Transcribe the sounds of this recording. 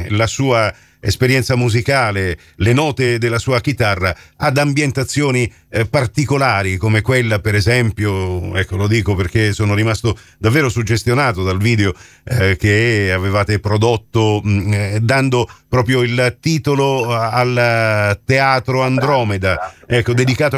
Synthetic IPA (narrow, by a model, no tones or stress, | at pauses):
lasuːa | ḛspeɾjɛnt̪samuzikaːle | lenɔːt̪ed̪elːasuːak̟it̪arːaad̪ambjent̪at̪sːjoːni | part̪ikolaːɾikomekwelːapeɾɛzɛmpjoɛkːolod̪iːkoperk̟esoːnoɾimast̪o | d̪avːeːɾosud͡ʒːest̪jonaːt̪od̪alviːd̪eo | k̟eavevaːt̪epɾod̪ot̪ːo | d̪and̪opɾɔːpɾjoilt̪iːt̪oloalt̪eaːt̪ɾoand̪ɾɔːmed̪aɛkːod̪ed̪ikaːt̪